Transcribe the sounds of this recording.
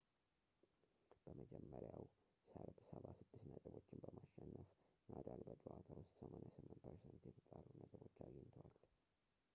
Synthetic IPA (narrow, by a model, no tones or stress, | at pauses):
b̥əməd͡ʒɛmːəɾjaw | səɾbsəβasɨd̪ːɨsnət̪ʼɨbo̞t͡ʃːɪnbəmaʃːɛnːəfnʔad̪albəd͡ʒʼuʔat̪ʰawʊst̪ʼsəmʔanjasɨmːɨnt̪pʰəɾsɛnt̪jɛt̪ʰət̪ʼaɾunət̪ʼɨbo̞t͡ʃːajɪnt̪ʰwal